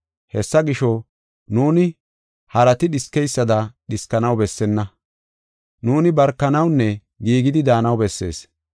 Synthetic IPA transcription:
hɛsːɐɡɪʃɔ | nuːnɪ | hɐɾɐt̪ɪɗɪskːɛjsːɐd̪ɐɗɪskːɐnɐwbɛsːɛnːɐ | nuːnɪbɐɾkːɐnɐwnːɛ | ɡiːɡɪd̪ɪd̪aːnɐwbɛsːe̞̰ːs

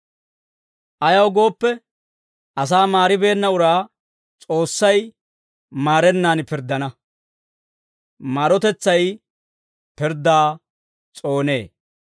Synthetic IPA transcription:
ʔɐjɐwɡo̞ːpːɛ | ʔɐs̬aːmaːɾɪbe̞ːnːɐʊɾaː | t͡sʼo̞ːsːɐj | maːɾɛnːaːnpɪɾd̪ɐnɐ | maːɾɔt̪ɛt͡sːɐj | pɪɾd̪aː | t͡sʼo̞ːne̞ː

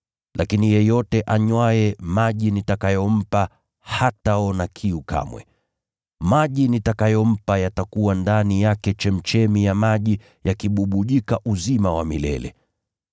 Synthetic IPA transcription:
lʔakinijɛjɔtɛʔaɲwaɛmaʄinitakajɔm̩pa | hataɔnakʰiuka̰mwɛ̰ | maʄinitakajɔm̩pajatakuwandanijakɛt͡ʃɛm̩t͡ʃɛmijamaʄi | jakiɓuɓuʄikaʔuzimawamḭlɛ̰lɛ̰

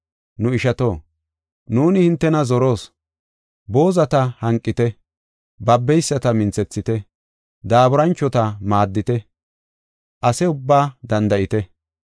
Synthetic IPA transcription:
nʊɪʃɐt̪o̞ː | nuːnɪhɪnt̪ːɛnɐzɔɾo̞ːs | bo̞ːzɐt̪ɐhɐŋkʼːɪt̪ɛ | bɐbːɛjsːɐt̪ɐmɪnt͡sɛt͡sːɪt̪ɛ | d̪aːbʊɾɐnt͡ʃːɔt̪ɐmaːd̪ːɪt̪ɛ | ʔɐsɛʊbːaːd̪ɐnd̪ɐʔɪt̪ɛ

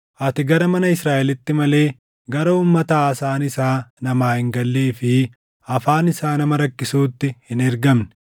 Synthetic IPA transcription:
ʔɐt̪ɪɡɐɾɐmɐnɐɪsɾaːʔɛlɪt̪ːɪmɐle̞ː | ɡɐɾɐuːmːɐt̪ɐaːsaːnɪsaːnɐmaːhɪŋɡɐlːiːfɪ | ɐfaːnɪsaːnɐmɐɾɐkːɪsuːt̪ːɪhɪnɛɾɡɐmnɛ̥

